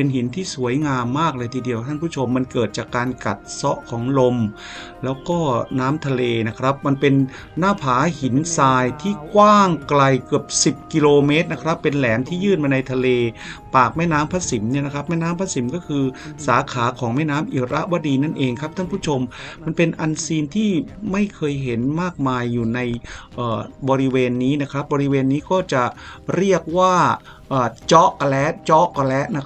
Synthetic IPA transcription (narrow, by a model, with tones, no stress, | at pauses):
pe˧nhi˩˦nt̪ʰiː˥˩su˩˦əjŋaː˧mːaː˥˩k̚lɤː˧jt̪ʰiː˧di˧əkt̪ʰa˥˩npʰuː˥˩t͡ɕʰo˧mːa˧nkɤː˨˩t̪̚t͡ɕaː˨˩kːaː˧nka̰˨˩t̪̚sɔ˦˥ʔkʰɔː˩˦ŋlo˧m | lɛː˦˥wkɔː˥˩naː˦˥mt̪ʰa˧leː˧na˦˥kʰɾa˦˥p̚ma˧npe˧nː | aː˥˩pʰaː˩˦hi˩˦nsaː˧jt̪ʰiː˥˩kwaː˥˩ŋkla˧jkɯ˨˩əp̚si˨˩p̚ki˧loː˧me˦˥t̪̚na˦˥kʰɾa˦˥pːe˧nlɛː˩˦mt̪ʰiː˥˩jɯː˥˩nmaː˧na˧jt̪ʰa˧leː˧paː˨˩k̚mɛː˥˩naː˦˥mpʰaː˦˥si˩˦mni˥˩ɐna˦˥kʰɾa˦˥p̚mɛː˥˩naː˦˥mpʰa˦˥si˩˦mkɔː˥˩kʰɯː˧saː˩˦kʰaː˩˦kʰɔː˩˦ŋmɛː˥˩naː˦˥mʔi˨˩ɾʔa˦˥ʔwaː˦˥diː˧na˥˩nʔeː˧ŋkʰɾa˦˥p̚t̪ʰa˥˩npʰu˥˩t͡ɕʰo˧mma˧npe˧nʔa˧nsiː˧nt̪ʰiː˥˩ma˥˩jkʰɤː˧jɦe˩˦nmaː˥˩k̚maː˧jːuː˨˩na˧jʔɤː˨˩bɔː˧ɾi˦˥weː˧nːiː˦˥na˦˥kʰɾa˦˥p̚bɔː˧ɾi˦˥weː˧nːiː˦˥kɔː˥˩t͡ɕa˨˩ɾi˥˩ək̚waː˥˩ | ʔəː˨˩t͡ɕɔ˦˥ʔka˧lɛ˦˥ʔt͡ɕɔ˦˥ʔka˧lɛ˦˥ʔna˦˥